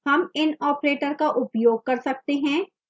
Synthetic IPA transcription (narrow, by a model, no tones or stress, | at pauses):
hɐmɪnɔːpɾeːʈəɾkaʔʊpjoːɡ̚kɐɾsɐk̚t̪eɦɛ̃ː